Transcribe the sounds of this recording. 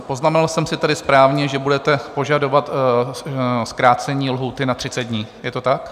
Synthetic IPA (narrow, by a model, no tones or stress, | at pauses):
po̞znamɛnalsɛmsɪt̪adɪspɾaːvɲɛʒɛbudɛt̪ɛpo̞ʒado̞vat̪ | skɾaːt͡sɛɲiːlɦuːt̪ɪnat̪r̝̥ɪt͡sɛd̪̚dɲiːjɛt̪o̞t̪ak